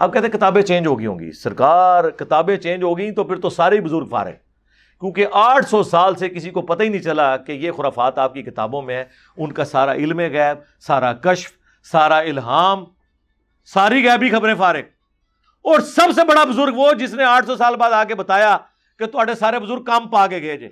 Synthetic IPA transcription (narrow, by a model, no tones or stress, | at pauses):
a̰b̚kɛːt̪ẽkɪt̪aːbẽt͡ʃẽːnd͡ʒɦoːɡiɦõ̰ːŋɡḭːsɐɾkaːɾkɪt̪aːbẽt͡ʃẽːnd͡ʒɦoːɡəĩt̪opɪɾt̪osaːɾeibʊzʊɾɡfa̰ːɾḛ | kjũːkeʔaːʈʰsɔːsaːlsekɪsikopɐt̪ainəĩt͡ʃɐlakejeːxʊɾaːfaːt̪aːp̚kikɪt̪a̰ːbõmẽɦɛ̃ː | ʊnkasaːɾa̰ʔɪlmẽɣɛːb̚ | saːɾakəʃf | saːɾaɪlɦaːm | saːɾiɣɛːbʱixɐbɾẽfaːɾẽː | ɔːɾsɐbs̬ebɐɽabʊzʊɾɡʋod͡ʒɪsneaːʈʰsɔsaːlbaːd̪aːkebət̪aːjaː | ket̪ʊaːɖesaːɾebʊzʊɾɡ̚kampaːkeɡeːd͡ʒḛː